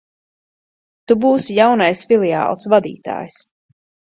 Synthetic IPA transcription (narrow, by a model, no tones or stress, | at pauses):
t̪ubuːsjawnajsfilia̰ːlˠsvad̪ḭːt̪a̰ːjs